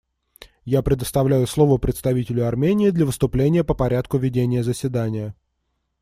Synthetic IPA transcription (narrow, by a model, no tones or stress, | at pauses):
japɾʲɪd̪əst̪ɐvlʲæjʊslˠo̞vəpɾʲɪt̪st̪ɐvʲitʲɪlʲʊɐrmʲenʲɪːd̪lʲəvɨst̪ʊplʲenʲɪjəpəpɐɾʲæt̪kʊvʲɪdʲenʲɪjəzəsʲvʲɪd̪anʲɪjə